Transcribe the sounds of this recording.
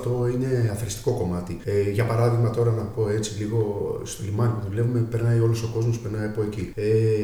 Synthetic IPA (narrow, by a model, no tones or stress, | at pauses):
t̪o̞ine̞ɐθɾist̪i̥ko̞ko̞mɐt̪ieʝɐpɐɾɐðiɣmɐt̪o̞ɾɐnɐpo̞e̞t͡siliɣo̞solimɐnt̪vle̞pumepeɾnɐio̞loso̞ko̞zmo̞spe̞ɾnɐiɐpo̞ecie